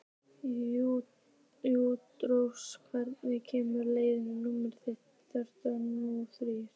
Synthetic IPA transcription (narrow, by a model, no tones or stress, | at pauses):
jut̪ɾowskʰvaɾt̪nɪcʰɛːmʏɾleːjðɪnnuːmɪɾθeht̪ | aɾt̪anuθɾɪːɾ̥